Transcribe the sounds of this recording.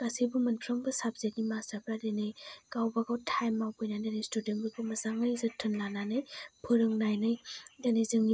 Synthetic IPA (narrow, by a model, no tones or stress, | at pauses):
kasibumɐnpʰɾɯŋbɐsabzek̚nimasapʰɾadenɯjɡ̥awbaɡawtʰajmːawpɔjnadanejstudenbɯbumɐzaŋɯjzɯtʰɯnlananɯjpʰɯɾɯŋnajnɯjdanezɯŋi